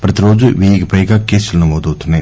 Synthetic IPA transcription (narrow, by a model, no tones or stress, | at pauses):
pɾɐt̪iɾo̞ːd͡ʒuʋiːjiɡɐpɐjɡaːkeːsulɐnɐmoːd̪owt̪unːɐj